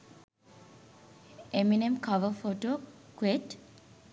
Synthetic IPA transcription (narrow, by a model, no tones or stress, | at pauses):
eminemkaʋəfoʈoːkueʈ